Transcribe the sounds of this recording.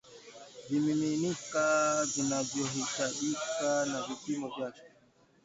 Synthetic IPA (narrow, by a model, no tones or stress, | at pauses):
vimiminikazinad͡ʒjɔɦiʃaʔikanavipimɔvjakɛ̥